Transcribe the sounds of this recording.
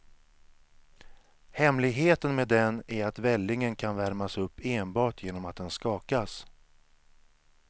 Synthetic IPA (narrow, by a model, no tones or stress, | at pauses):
hɛmlɪɡɦeːt̪ənmeːd̪ɛnæɾat̪vɛlːɪŋənkʰanvæɾmasɵpːeːnbɑːʈʰjeːnɔmat̪̚d̪ɛnskɑːkas